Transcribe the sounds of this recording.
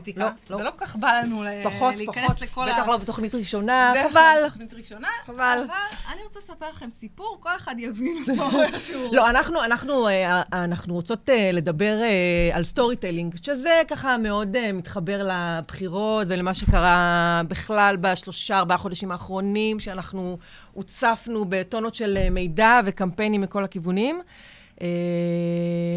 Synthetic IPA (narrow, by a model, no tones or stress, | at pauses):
t̪iloloelokokaχbalanuepaχotlpaknlekolbeaχlobet̪oχnitʁiʃo̞naavalnitʁiʃonaavalvalaniʁot͡sesapeʁlaχemsipuʁko̞leχad̪javinuʃulo̞anaχnuanaχnueanaχnuʁot͡so̞tele̞dabe̞ʁealsto̞ʁiteliŋɡʃe̞ze̞kaχame̞o̞demit̪χabe̞ʁlabχiʁo̞tvelemaʃe̞kaʁabiχlalbaʃlo̞ʃaːʁbaaχo̞daʃimaːχʁo̞nimʃeanaχnu | ut͡safnube̞to̞notʃe̞leme̞jdave̞kampe̞jnimːiko̞lakivunim | ʔe